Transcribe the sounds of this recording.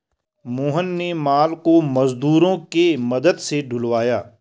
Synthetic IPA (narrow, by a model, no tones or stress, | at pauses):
moːɦənːemaːlkomɐzd̪uːɾõkemɐd̪əd̪seɖʱʊlʋaːjaː